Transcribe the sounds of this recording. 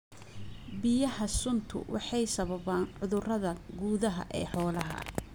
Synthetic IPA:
bɪjɐhɐsʊnt̪ʰʊ̰wʔɑħɑjsɐβɐβaːnʕʊðʊrɐðɐɡuːðɐɦɐ̰ʔɛ̰ːħɔːlɐɦɐ̰

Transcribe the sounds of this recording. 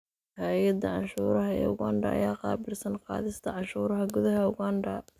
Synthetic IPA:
hajɐd̪ɐʕɑnʃuːɾɐɦɐɛ̰ːʊɣa̰nɖɐ̰ʔɐ̰jaːqɑ̰ːbɪlsɐnqɑ̰ːðɪst̪ʰɐʕɑnʃuːɾɐɦɐɡʊðɐɦɐʊɣanɖɐ

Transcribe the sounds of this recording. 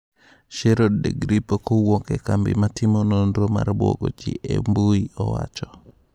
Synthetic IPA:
ʃeɾodːeɡɾipokowɔkɛkambɪmatɪmonondɾoma̰ɾbo̰ɡod͡ʒɪʔembuiɔwa̰t͡ʃɔ

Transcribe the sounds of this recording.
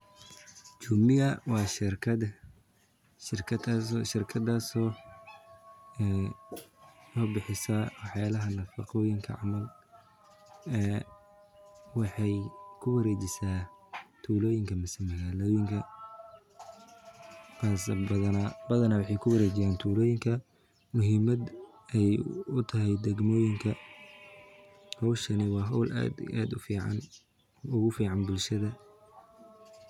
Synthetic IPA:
t͡ʃuːmɪjɐwɑːʃɪrkʰɐd̪ | ʃɪrkʰɐʃɪrkʰɐd̪asɔː | ɛ | lɔːbɪħɪsɐwɑħjaːlɐɦɐnɐfɑqɔːjɪŋkʰɐ̰ʕɑ̰mɐl | ɛː | wɑħɑjkʰʊwɐɾeːt͡ʃɪsaːt̪ʰuːlɔːjɪŋkʰɐmɐsɪmɐɣaːlɔːjɪŋkʰɐ | kʰaːsɐðɐnɐbɐðɐnɐwɑħɑjkʰʊwɐɾeːt͡ʃɪjaːnt̪ʰuːlɔːjɪŋkʰɐ | mʊɦiːmɐd̪ | ɛjʊt̪ʰɐɦɛjd̪ɛɡmɔːjɪŋkʰɐ | hɔwʃɐnɪwɑːɦɔwlʔa̰ːd̪a̰ːd̪ʊfiːʕɑ̰n | ʊɣʊfiːʕɑnbʊlʃɐðɐ

